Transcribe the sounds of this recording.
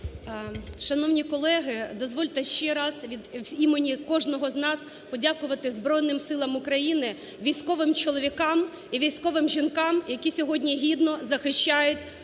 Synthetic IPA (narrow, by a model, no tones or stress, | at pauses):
ʃɐnɔwnʲikɔlˠɛɦɪd̪ɔzʋɔlʲt̪ɛʃt͡ʃɛɾɑzʋʲid̪imenʲikɔʒnɔɦɔznɑs | pɔdʲakʊʋɐt̪ɪzbɾɔjnɪmsɪlˠɐmʊkɾɐjinɪ | ʋʲijsʲkɔʋɪmt͡ʃɔlˠɔʋʲikɑm | iʋʲijsʲkɔʋɪmʒʲinkɑmjɐkʲisʲɔɦɔdʲnʲiɦʲid̪nɔzɐxɪʃʲt͡ʃːajʊtʲ